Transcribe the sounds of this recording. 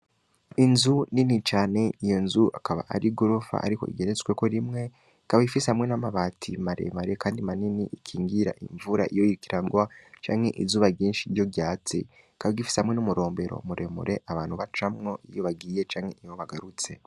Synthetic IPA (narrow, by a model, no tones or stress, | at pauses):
inzuninit͡ʃaːne̞ijo̞nzuʔakaβa̰ʔa̰ɾiɡoɾofa̰ʔa̰ɾiko̞̰ḭɡe̞ɾet͡sweko̞ɾimŋe | kaβaifisehamŋe̞namaβaːtʰimaɾe̞̰maɾekaːndimaniniʔikʰiːŋɡiɾa̰ʔḭɱvuɾa̰ʔijojiikiɾaɡwat͡ʃaːŋhe̞̰ʔḭzuːβaɾɟiːnʃijo̞jaːt͡sḛ | ikaβaɡifi̥sehamŋenumuɾo̞ːmbe̞ɾo̰muɾe̞mṵɾʔe̞ʔaβaːnhuβat͡ʃamŋo̞ʔijoβaɡiːje̞t͡ʃaːŋhe̞ʔijoβaɡaɾut͡se̞